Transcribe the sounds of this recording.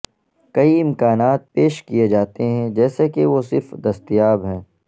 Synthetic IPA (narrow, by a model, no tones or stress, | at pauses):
kɐiɪ̃mkaːnaːt̪̚peːʃkied͡ʒaːt̪eɦɛ̃d͡ʒɛːsekeʋosɪɾfd̪ɐst̪ijaːbɦɛ̃ː